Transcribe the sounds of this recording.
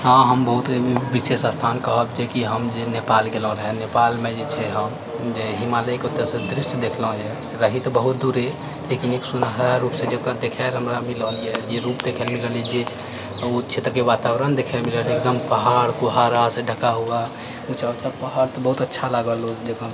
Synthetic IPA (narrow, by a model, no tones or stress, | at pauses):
ɦãɦəmbəɦut̪ʋisesəst̪ʰankəɦəbd͡ʒekiɦəmd͡ʒenepalɡelɔ̃ɾəɦɛnepalmed͡ʒet͡ʃʰɛɦəm | d͡ʒeɦimaləkeut̪ːəɾsẽd̪ɾisd̪ekʰlɦd͡ʒe | ɾəɦit̪ɔbəɦut̪̚d̪uɾe | lekineksunɦəɾːupsẽd͡ʒekɾad̪ekʰɛlɦəmɾamiləlied͡ʒeɾupd̪ekʰəlmiləled͡ʒet͡ʃʰ | ut͡ʃʰet̪ɾəkeʋat̪abɾənd̪ekʰelmiləlek̚d̪əmpəɦaɽkuɦaɾaseɖʱəkaɦua | ut͡ʃʰaut͡ʃʰapəɦaɽt̪ɔbəɦut̪ətːʃʰalaɡəlod͡ʒekə